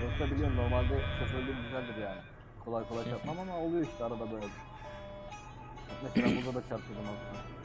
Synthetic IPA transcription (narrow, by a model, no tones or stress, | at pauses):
øt̪ʰabilʲeno̞ɾmalʲd̪ɛsʰosølʲd̪ʲiːmɟyzælʲd̪iɾjaːnɪ | kʰo̞lˠajkʰoajtt͡ʃʰaɾt̪mamamaolˠujo̞iʃt̪ʰɛaɾad̪abø̞jlʲɛbi | at̪meslʲambud̪ad̪at͡ʃʰaɾt̪ʰɯd̪unazt̪a